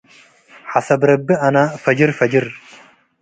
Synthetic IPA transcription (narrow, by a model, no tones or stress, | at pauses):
ħasɐbɾɐbːɨʔɐnafɐd͡ʒɪɾfɐd͡ʒɪɾ